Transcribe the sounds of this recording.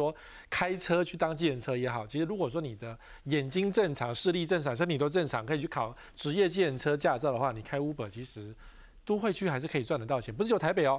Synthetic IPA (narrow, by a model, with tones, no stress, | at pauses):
wɔ˥ | kʰa˥ɪʈ͡ʂʰɤ˥t͡ɕʰy˥˩t̪ɑ˥ŋt͡ɕi˥˧˩ə˧˩nʈ͡ʂʰɤ˥jɛ˧˥xɑ˨˩ʊt͡ɕʰi˧˥ʂɻ̩˧˥ɻu˧˥kwɔ˨˩ʂ̬wɔ˥ni˨˩d̪ə˦ | jɛ˨˩nt͡ɕi˥ŋʈ͡ʂə˥˩nʈ͡ʂʰɑ˧˥ŋʂɻ̩˥˧li˥˧ʈ͡ʂə˥˩nʈ͡ʂʰɑ˨˩ŋʂni˨˩t̪o˥ʊʈ͡ʂə˥˩nʈ͡ʂʰɑ˧˦ŋkʰɤ˧˥i˨˩t͡ɕʰy˥˩kʰɑ˨˩ʊ | ʈ͡ʂɻ̩˧˥jɛ˥˧t͡ɕi˥˩ə˥˩nʈ͡ʂʰɤ˥t͡ɕja˥˧t͡sʊd̪ə˩xwa˥˩ni˨˩kʰa˥ɪu˥pə˨˩t͡ɕʰi˧˥ʂɻ̩˧˥ | t̪o˥xwe˥˧ɪt͡ɕʰy˥˩a˧ɪʂɻ̩˥˩kʰɤ˧˥i˨˩t͡swa˥˩nd̪ə˩t̪ɑ˥˩ɕʰjɛ˨˥˦pʂɻ̩˥˩jo˧˩t̪ʰɪpe˨˩ɪɔ˨˦